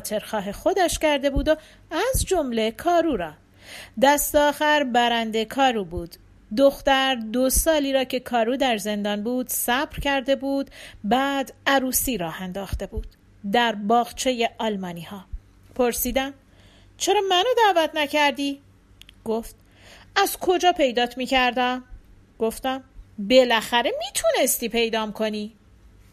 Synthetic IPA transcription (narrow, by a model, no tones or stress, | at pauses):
t̪ʰe̞ɾxɒːɦe̞xo̞d̪æʃcæɾd̪e̞buːd̪o | æzd͡ʒo̞mle̞kʰɒːɾuːɾɒː | d̪æst̪ɒːxæɾbæɾænd̪e̞kʰɒːɾuːbuːd̪̥ː | oxt̪æɾd̪osɒːliːɾɒːcʰe̞kʰɒːɾuːd̪æɾze̞nd̪ɒːnbuːd̪sæbɾcʰæɾd̪e̞buːd̪bæːd̪æɾuːsiːɾɒːhænd̪ɒːxt̪e̞buːd̪̥ | d̪æɾbɒːɣt͡ʃʰe̞je̞ʔɒːlmɒːniːhɒː | pʰo̞ɾsiːd̪æm | t͡ʃʰe̞ɾɒːmænod̪æːvæt̪ʰnæcʰæɾd̪iː | ɡ̥oft̪̚ | æzkʰo̞d͡ʒɒːpʰe̞jd̪ɒːt̪ʰmiːcʰæɾd̪æm | ɡ̥o̞ft̪æmbe̞læxæɾe̞mit̪ʰune̞st̪iːpʰe̞jd̪ɒːmkʰo̞niː